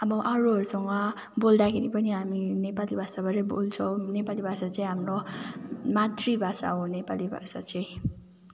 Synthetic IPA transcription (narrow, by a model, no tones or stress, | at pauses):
ʌbʌʔʌɾuɦʌɾusʌŋɡʌ | bold̪akʰeɾipʌniɦaminepalibʱasabʱʌɾʌbo̰lt͡sʰʌw̃nepalibʱasat͡saĩɦamro | mat̪ribʱasa̰ɦõnepalibʱa̰sat͡sʌj̃